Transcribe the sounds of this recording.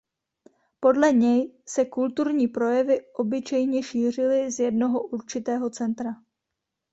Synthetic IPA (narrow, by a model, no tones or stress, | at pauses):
po̞dlɛɲɛjsɛkult̪uɾɲiːpɾo̞jɛvɪʔo̞bɪt͡ʃɛjɲɛʃiːr̝ɪlɪzjɛdno̞ɦoʔuɾt͡ʃɪt̪ɛːɦo̞t͡sɛnt̪ɾa